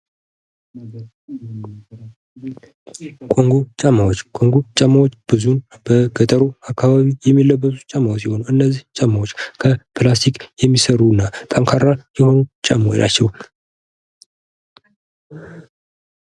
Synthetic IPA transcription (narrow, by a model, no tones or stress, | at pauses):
kʼo̞ŋɡot͡ʃʼamːawot͡ʃːkʼo̞ŋɡot͡ʃʼəmːawot͡ʃːb̥ɨzunb̥əɡət̪ʼəɾoakʰːaβaβijɛmːilːəbːət̪ut͡ʃʼamːawos̬iho̞nuɨnːəzːiht͡ʃʼəmːawot͡ʃːkʰəpʰɨlast̪ʰikjɛmːisəɾunːat̪ʼəŋkʰaɾajɛho̞nut͡ʃʼamːwo̰ʔa̰t͡ʃːɛw